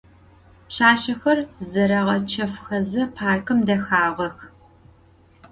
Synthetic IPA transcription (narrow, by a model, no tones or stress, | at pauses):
pɕaːɕɐxɐrzɐɾɐʁɐt͡ʃʰɐfxɐzɐpʰaːrkʰɨmdɐxaːʁʷɐx